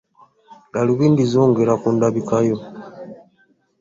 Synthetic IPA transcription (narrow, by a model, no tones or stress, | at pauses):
ɡaluβiːndizoːŋɡeɾakuːndaβikajo